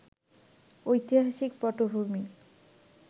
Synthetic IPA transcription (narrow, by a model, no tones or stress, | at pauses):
ojt̪iɦaʃikpɔʈobʱumi